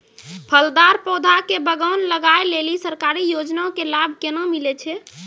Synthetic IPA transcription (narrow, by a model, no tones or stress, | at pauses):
pʰəld̪aɾpɔd̪ʱakebəɡənləɡaelelisəɾkaɾijod͡ʒnaõkelabʱkenamilɛt͡ʃʰɛ